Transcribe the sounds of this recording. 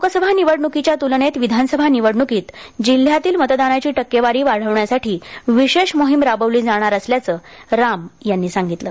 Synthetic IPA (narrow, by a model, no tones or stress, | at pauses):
okəsəbʱaniʋəɽɳukit͡ɕjat̪ulɳet̪ʋid̪ʱansəbʱaniʋəɽɳukiːt̪d͡ʑil̤ːjat̪iːlmət̪d̪anat͡ɕiːʈəkːjeʋaɾiːʋaɽ̤əʋɳjasaʈʰiːʋiɕeʂmoɦimɾabəʋliːd͡zaɽ̃aɾəsljat͡səːɾamjanːiːsaŋɡit̪ləː